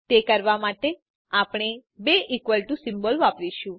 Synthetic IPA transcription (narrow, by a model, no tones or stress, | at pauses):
t̪ekəɾʋamaʈe | apɳ̃ebeʔikʋəlʈusɪmbəlʋapʋiʃũ